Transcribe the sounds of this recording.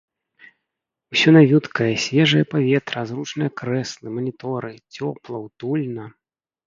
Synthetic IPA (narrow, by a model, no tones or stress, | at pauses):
wsʲɔnavʲut̪kɐjɐsʲvʲɛʐɨjɐpavʲɛt̪ɾɐzrut͡ʂnɨjɐkɾɛslˠɨmɐnʲit̪ɔɾɨt͡sʲɔplˠɐwt̪ulʲnɐ